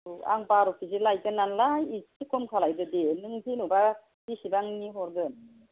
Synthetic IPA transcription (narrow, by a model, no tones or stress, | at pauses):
a̰ŋpaɾɔpʰisilajkɯnːanlaiɯkʰɔmkʰalajdɯdenɯŋtʰinuba | bisibaŋniɦɔɾɡɯn